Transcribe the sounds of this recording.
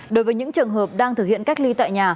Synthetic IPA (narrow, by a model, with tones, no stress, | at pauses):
ɗo˨˦jvəː˨˦jɲɨ̰˧˥ŋt͡ɕɨ˨˩ənɦəː˨˩p̚ɗaː˧ŋt̪ʰɨ˨˩k̚hḭ˧˨ənka˦˥k̚li˧t̪a̰ː˧˨jɲaː˨˩